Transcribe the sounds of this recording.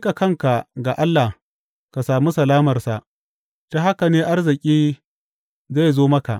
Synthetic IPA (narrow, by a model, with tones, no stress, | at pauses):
kʼa˨kɐ˦ŋka˨ɡa˨ʔa˦lːa˨h | ka˨saː˨mu˦sɐ˨laː˦mɐ˨rsa˨ʔ | ta˦ɦa˦ka˨neː˦ʔa˦rzɪ˨kʲʼiː˦ | za˦˨jzoː˦mɐ˦ka̰˨ʔ